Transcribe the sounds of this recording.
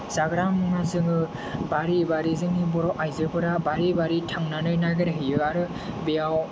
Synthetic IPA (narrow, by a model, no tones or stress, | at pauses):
z̥aɡɾammɯŋazɯŋɯ | baɾibaɾizɯŋnibɔɾɔʔajzɯbɯɾabaɾibaɾitʰaŋnanɯjnaɡeɾɦɯjɯaɾɯ | bejaw